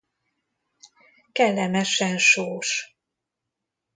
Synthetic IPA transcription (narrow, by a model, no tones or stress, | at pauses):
kɛlːɛmɛʃɛnʃoːʃ